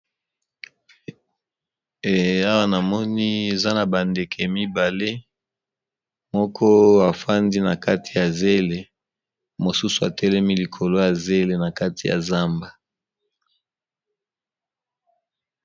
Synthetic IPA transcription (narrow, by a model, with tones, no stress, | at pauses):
e˨a˦wa˦na˨mɔ˦ni˦e˨za˦na˨ba˨nde˨kʰe˨mi˦ba˨le˦ | mɔ˦kʰɔ˦a˨fa˦ndi˦na˨ka˦ti̥˨ja˨ze˦le˨ | mo˨su˦su˨a̰˨tɛ˦lɛ˦mi˦li˨kʰo˨lo˦ja˨ze˦le˨na˨ka˦ti˨ja̰˨za˦mba˨